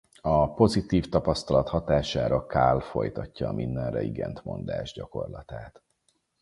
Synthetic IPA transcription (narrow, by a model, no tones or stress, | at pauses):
ɒpo̞zit̪iːft̪ɒpɒst̪ɒlɒt̪hɒt̪aːʃaːɾɒkaːlfo̞jt̪ɒcːɒːmʔind̪ɛnrɛiɡɛnt̪mo̞̰nd̪a̰ːʒɟɒko̞̰rlɒt̪aːt̪